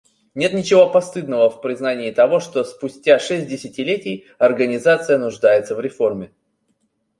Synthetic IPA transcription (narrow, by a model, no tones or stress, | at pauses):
nʲe̞t̪nʲɪt͡ɕɪvopɐst̪ɨd̪nəvəfʲpɾʲɪznanʲɪːt̪ɐvo̞ʂt̪o̞spʊsʲtʲaʂɛsʲt̚ʲdʲɪsʲɪtʲɪlʲetʲɪj | ɐrɡənʲɪzat̪sɨjənʊʐd̪ajɪt̪səvɾʲɪfo̞rmʲɪ